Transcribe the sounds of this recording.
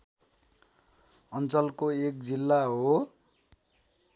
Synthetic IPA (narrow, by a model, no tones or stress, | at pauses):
ʌnt͡sʌlkoek̚d͡zilːaɦo